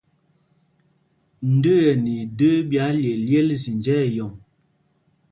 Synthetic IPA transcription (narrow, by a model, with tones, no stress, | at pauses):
n̩˨də˦jə˨ni˨də˦bja˨˦lje˨lje˦lzi˨nd͡ʒɛ˦˨jɔ˨ŋ